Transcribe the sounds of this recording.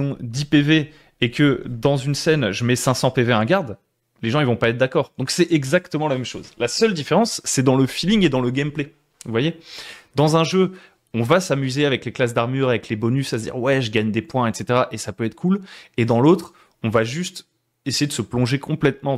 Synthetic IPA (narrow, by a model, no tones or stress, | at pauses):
ɔ̃d̪ipeve | ekəd̪ɑ̃zynsɛnʒəmɛsɛ̃sɑ̃peveɛ̃ɡaʁd̪ | leʒɑ̃ilvɔ̃paɛt̪̚χd̪akɔːʁd̪̥ɔ̃ksɛʔɛɡzakt̪əmɑ̃lamɛmʃo̰zlasœld̪ifeʁɑ̃sːɛd̪ɑ̃ləfilĩŋed̪ɑ̃ləɡʲɛmple | vuvwajed̪ɑ̃zɛ̃ʒø | ɔ̃vasamyzeavɛkleklas̬d̪aʁmyʁavɛklebɔnysasd̪ḭʁwɛʒəɡaɲd̪epwɛ̃ɛt̪set̪eʁaʔesapøɛt̪χə̥kʰuled̪ɑ̃lot̪χ | ɔ̃vaʒyst̪ | esejed̪əsəplɔ̃ʒekʰɔ̃plɛt̪mɑ̃